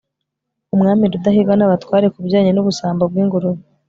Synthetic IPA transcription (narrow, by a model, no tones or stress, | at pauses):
umŋaːmiɾudahiɡɡanaβatwaːɾe̞kubɟaːɲenuβusaːmbab̚ɡwiːŋɡuɾu